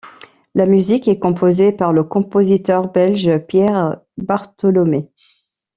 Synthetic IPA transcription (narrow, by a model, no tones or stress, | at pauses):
lamyzikɛkɔ̃pʰozepaʁləkɔ̃pozit̪œʁbɛlʒpjɛʁ | baʁt̪ɔlɔme